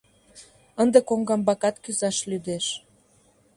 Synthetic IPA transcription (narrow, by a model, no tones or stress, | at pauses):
ənd̪ekoŋɡɑmbɑkɑt̪kyzɑʃlyd̪eʃ